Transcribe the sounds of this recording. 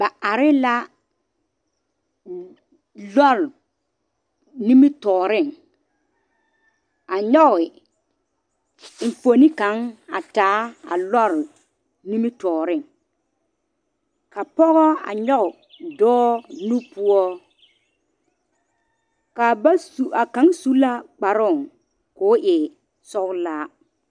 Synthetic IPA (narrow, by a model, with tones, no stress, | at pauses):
ba˨ʔa˨ɾɪ˦la˦ | lɔ˦˨l | ni˦mi˦tɔː˨ɾɪ˦˨ŋ | a˨ɲɔ˦˨ɪ˨ | fo˨ni˦ka˨˦ŋa̰˨taː˨˦a̰˨lɔ˦˨l | nĩ˦mi˦tɔː˨ɾɪ˦˨ŋ | ka˨pɔ˦ɣɔ˦a̰˨ɲɔ˦ʊ˨ | dɔː˦nu˦pʊ˦ɔ˦ | ka˨ba˦u˨a˨kã˨˦ŋsu˦la˦k͡pa˨ɾɔ˦˨ŋ | kʊː˦ʔɪ˨ | sɔ˦klaː˦